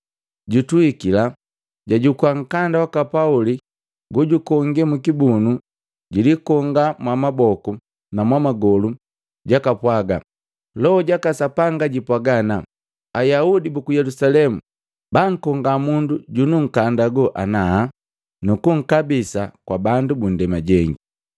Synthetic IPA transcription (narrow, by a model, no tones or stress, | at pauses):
ɟutuikila | ɟaɟukwaŋ̩kandawakapauli | ɡuɟukɔŋɡɛmukibunu | ɟilikɔŋɡamwamabɔku | namwamaɡɔlu | ɟakapwaɡa̰ | lɔhɔɟakasapaŋɡaɟipwaɡana | ajaudibukujɛlusalɛmu | baŋ̩kɔŋɡamunduɟunuŋ̩kandaɡɔʔanaa | nukuŋ̩kabisakwabandubun̩dɛmaɟɛŋɡi